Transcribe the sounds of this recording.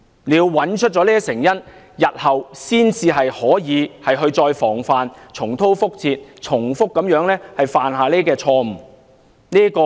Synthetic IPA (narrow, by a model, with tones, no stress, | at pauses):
liː˨˧wɐ˨˥nt͡ʃʰɵ˥t̚t͡sɔ˨˧˥liː˥ɐ˥sɪ˨˩ŋjɐ˥n | jɐ˨t̚hɐ˨wsiː˥nt͡siː˧ɦɐ˨jhɔː˨˥jiː˨˧hɐ˨jɦɵ˧ɥt͡sɔː˧jfɔː˨˩ŋfaː˨nt͡sʰʊ˨˩ŋt̪ʰo˥wfʊ˥k̚t͡sʰiː˧t̚t͡sʰʊ˨˩ŋfʊ˥kːɐ˨˥mjœː˨˥ŋlɛː˥hɐ˨jfaː˨nɦaː˨˧leː˥kɛː˧t͡ʃʰɔː˧m̩˨˩ | niː˥kɔː˧